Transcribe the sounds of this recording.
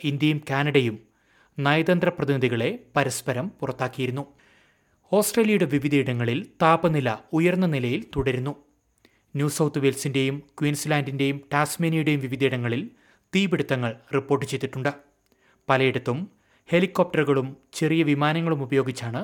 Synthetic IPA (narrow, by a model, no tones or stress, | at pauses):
ind̪jɐjumkaːnɐɽɐjum | nɐjɐd̪ɐnd̪rɐprɐðiniðiɣɐɭe̞pɐɾɐspɐɾɐmpurɐt̪ːaːkːijɐɾunːu | o̞ːsʈreːlijɐjuɽe̞ʋiʋid̪ɐiɽɐŋːɐɭilt̪aːbɐnilɐujɐrnːɐnilɐjilt̪uɽɐɾunːu | njuːsɐwt̪ɨʋelsinde̞jumkwiːnslaːndinde̞jumʈaːsmeːnɐjuɽe̞jumʋiʋid̪ɐiɽɐŋːɐɭil | t̪iːbiɽut̪ːɐŋːɐɭripːoːrʈːɨt͡ɕe̞jt̪ːiʈːuɳɖɨ | pɐlɐjiɽut̪ːum | he̞likːop̚ʈɐrɣɐɭumt͡ɕe̞rijɐʋimaːnɐŋːɐɭumubɐjo̞ːɡit͡ɕːaːɳɨ